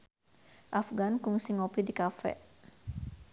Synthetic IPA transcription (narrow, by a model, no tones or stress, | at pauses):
ʔafɡankuŋsiŋɔpidikafɛ̰